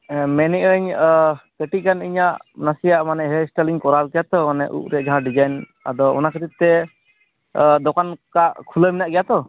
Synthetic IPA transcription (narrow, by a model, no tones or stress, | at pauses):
mɛnɛʔəɲkəʈikaniɲaʔnasijaʔmanɛɦɛsʈəliɲkɔɾalkɛjat̪ɔmanɛʔṵʔɾɛʔd͡ʒaɦãɖid͡ʒajn | a̰d̪ɔɔ̰nakət̪it̚t̪ɛ | d̪ɔkankaʔkʰuləminaʔɡɛjat̪ɔ